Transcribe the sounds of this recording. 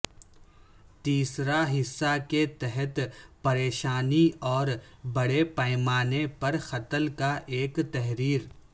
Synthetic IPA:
t̪iːsɾaɦɪsːaket̪ɛɦɛt̪pɐɾeːʃaːniɔːɾbɐɽepaːɪmaːnepɐɾxɐt̪əlkaʔeːkt̪ɛɦɾiːɾ

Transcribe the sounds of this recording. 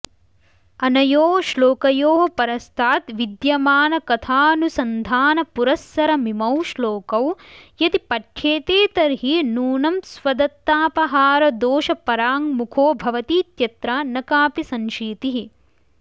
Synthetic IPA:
ɐnɐjoːʃloːkɐjoːɦɐpɐɾɐst̪ʰaːt̪ʋid̪jɐmaːnɐkɐt̪ʰaːɐnusɐnd̪ʱaːnɐpuɾɐsːɐɾɐmimɐwʃloːkɐwjɐt̪ipɐʈʰːeːt̪eːt̪ɐɾɦinuːnɐmsʋɐd̪ɐt̪ːaːpɐɦaːɾɐd̪oːʃɐpɐɾaːŋmukʰoːbʱɐʋɐt̪iːt̪jɐt̪ɾaːnɐkaːpisɐ̃nʃiːt̪iɦi

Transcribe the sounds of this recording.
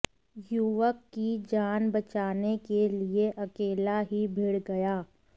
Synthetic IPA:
juʋəkːid͡ʒaːnbɐt͡ʃaːnekelieʔɐkeːlaɦibʱɪɽɡɐjaː

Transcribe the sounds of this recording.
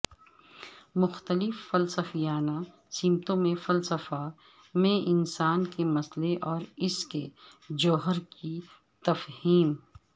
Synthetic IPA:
mʊxt̪əlɪfːɐlsəfijaːna | siːmt̪õmẽfɐlsəfa | mẽʔɪnsaːnkemɐsleʔɔːɾɪsked͡ʒɔːɦəɾki | t̪ɐfhiːm

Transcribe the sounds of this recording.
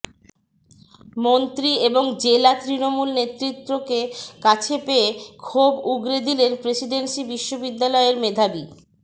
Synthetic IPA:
mont̪ɾieboŋd͡ʑelat̪ɾinomulnet̪ɾit̪ːɾokekat͡ɕʰepeekʰobuɡɾed̪ilenpɾesiɖensibiʃːobid̪ːalɔeeɾmed̪ʱabi

